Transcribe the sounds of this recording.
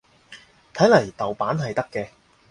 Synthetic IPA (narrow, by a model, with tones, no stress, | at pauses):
t̪ʰɐ˨˥jlɐ˨˩jt̪ɐ˨wpaː˨˥nɦɐ˨jt̪ɐ˥kːɛː˧